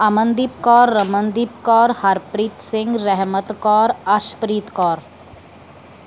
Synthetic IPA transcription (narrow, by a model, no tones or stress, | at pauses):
amə̃nd̪ip̚kɔːɾːɐmənd̪ip̚kɔːɾhɐɾpɾiːt̪sɪ̃ŋɡɾɛɦmət̪kɔːɾaʃpɾiːt̪kɔːɾ